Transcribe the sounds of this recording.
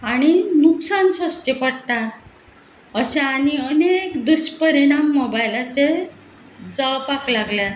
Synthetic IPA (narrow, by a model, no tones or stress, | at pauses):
aɽ̃inuksanɕəst̪epəɽt̪a | əɕaːñiənekd̪uɕpəɾiɽ̃amːobajlat͡se | d͡zawpaklaɡlja